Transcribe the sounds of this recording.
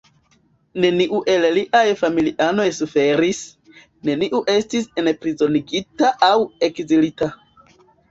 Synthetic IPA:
ne̞niʔuʔe̞lliʔajfamiliʔano̞jsufe̞ɾis | ne̞niʔuʔe̞stisenpɾizo̞niɡitaʔawe̞kzilita

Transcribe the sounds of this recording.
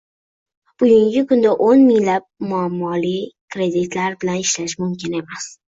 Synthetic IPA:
b̥ʊɡʊŋɡʲɪkʰʊnd̪aʔonmɪŋlap̚mʊamːɒlijkɾe̞d̪ɪt̪ʰlaɾbɪlanɪʃlaʃmʊmkʲʰɪne̞mas

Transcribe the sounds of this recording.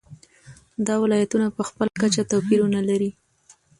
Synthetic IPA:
d̪ɑwɪlɑjat̪unapəxpəlakat͡ʃat̪awpiɾunalaɾi

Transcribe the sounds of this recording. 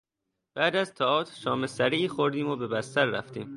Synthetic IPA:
b̥æːd̪æzt̪ʰɒɒːt̪ʰʃɒːme̞sæɾiːxoɾd̪iːmobe̞bæst̪æɾːæft̪ḭːm

